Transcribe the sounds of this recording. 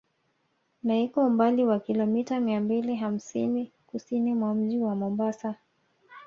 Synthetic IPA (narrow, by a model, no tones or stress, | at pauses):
naikɔumbaliwakilɔmitamiambiliɦam̩sinikusinimwam̩ʄiwamɔmbasa